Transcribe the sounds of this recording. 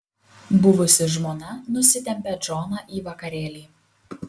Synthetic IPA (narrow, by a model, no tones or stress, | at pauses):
bʊʋʊsʲɪʒmoːnɐnʊsʲɪt̪ʲɛmʲpʲɛd͡ʒɔːnɐʔiːʋɐkɐɾʲeːlʲiː